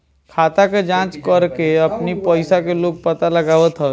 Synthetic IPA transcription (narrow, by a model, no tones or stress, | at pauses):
kʰaːt̪aked͡ʒãːt͡ʃkəɾkeəpnipəɪsakeloːɡ̚pət̪aləɡaːʋət̪ɦə